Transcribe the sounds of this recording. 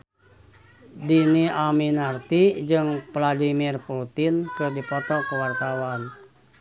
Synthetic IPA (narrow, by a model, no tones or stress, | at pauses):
diniʔaminart̪id͡ʒɨŋpladimirput̪ɪnkɨrdipɔt̪ɔkəwart̪awan